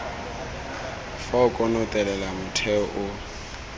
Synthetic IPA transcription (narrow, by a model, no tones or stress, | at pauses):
faʊkʼɔnɔtʼɛlɛlamʊtʰɛɔʔʊ